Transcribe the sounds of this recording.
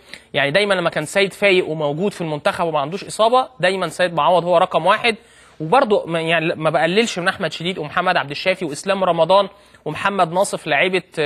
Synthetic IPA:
jaʕnid̪æjmænlæmːækæːnsæːjed̪fæːjeʔwemæwɡuːd̪filmont̪æxæbwemæʕand̪uːʃʔesˤɑːbɑd̪æjmænsæːjed̪moʕaːwːɑd̪howːæɾˤɑqɑmwaːħed̪ | webɑɾˤd̪ˤomjaʕnilmæbeʔælːelʃmenʔaħmæd̪ʃed̪iːd̪wemoħamːæd̪ʕabd̪eʃːæːfiweʔeslæːmɾˤɑmɑd̪ˤɑːn | wemoħamːæd̪nɑːsˤeflaʕiːbe

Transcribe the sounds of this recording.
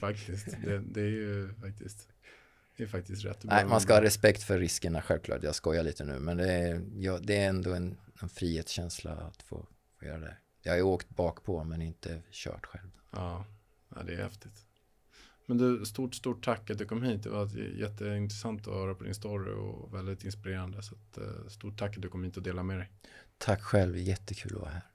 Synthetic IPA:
fak̚t̪ɪstd̪ɛd̪ɛæɾjɵfak̚t̪ʰɪ̰st̪ | d̪ɛjəfak̚t̪ɪst̪ɾɛ̰t̪ːnæɪmanskahɑːɾɛspɛkt̪fœɾːɪskəɳaɧɛlvklɑ̰ːʈjɑːɡskɔjːaɭiːt̪ənʉ̟̰ːmɛnd̪ɛjɑd̪ɛæɾɛnd̪oɛnɛnfɾiːheːt̪sɕɛnsla̰a̰t̪fo̰ː | fjœːɾad̪ɛ̰ | jɑhaoːkt̪bɑːkpʰɔmɛnɪnt̪əɕœ̰ːʈɧɛlvɑː | a̰ɪd̪ɛːhɛ̰ft̪ɪt̪ | mɛnd̪ɵst̪uːʈst̪uːʈʰːakːat̪̚d̪ɵkʰɔmhiːt̪̚d̪ɛ̰vajɛt̪ːəɪnt̪ɾɛsant̪ɔ̰hœːɾapʰɔd̪ɪ̰nst̪ɔɾɪ̰ɔ̰vɛld̪ɪt̪ɪnspɪɾeːɾand̪əsat̪st̪uːʈ̚ʰːakːat̪̚d̪ɵkʰɔmhiːt̪ɔd̪eːlamɛɾɛjt̪ʰakːɧɛlvjɛt̪ːəkʰʉ̟ːlɔvɑ̰ːɦæːɾ

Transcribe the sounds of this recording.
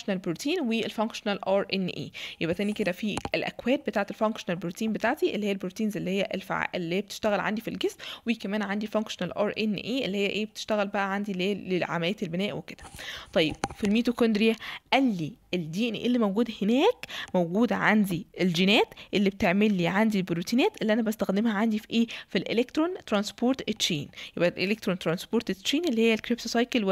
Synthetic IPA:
ʃnælbɾut̪iːnweelfæŋkʃonælʔɑːɾˤʔenːʔḛːjebʔæt̪æːniked̪æfielʔæ̰kwæːt̪̚bet̪aːʕet̪elfoŋkʃonælbɾuːt̪iːnbet̪aːʕt̪iʔelːihejːælbɾut̪iːnzelːihejːæʔelfa̰ʕa̰ʔelːihejːæbet̪e̥ʃt̪æɣælʕa̰nd̪ifilɡesmwikæmæːnʕand̪ifoŋkʃonælʔɑ̰ːɾˤʔenːʔeːʔelːihejːæʔeːbet̪e̥ʃt̪æɣælbæʔæʕand̪ileːeʕa̰mælejːæt̪elbenæːʔweked̪æt̪ˤɑjːeb̥̚filmiːt̪okond̪ɾijæʔælːiʔeld̪iːʔnḭʔelːimowɡuːd̪henæːkmowɡuːd̪ʕa̰nd̪iʔeld͡ʒinæːt̪ʔelːibet̪eʕmelːiːʕand̪ilbɾut̪iːnæːt̪ʔelːiʔænæbæst̪æxd̪emhæʕand̪ifiʔeːfilʔelekt̪ɾont̪ɾɑnspoːɾt̪et̪ːʃḭːnjebʔælʔelek̚t̪ɾont̪ɾɑnspoːɾt̪eʃiːnʔelːihejːælkɾip̚t̪osˤɑjkel

